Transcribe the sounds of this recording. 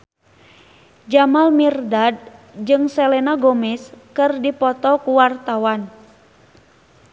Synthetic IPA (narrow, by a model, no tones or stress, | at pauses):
d͡ʒamalmirdad̚d͡ʒɨŋsɛlɛnaɡomɛskɨrdipɔt̪ɔkuwart̪awan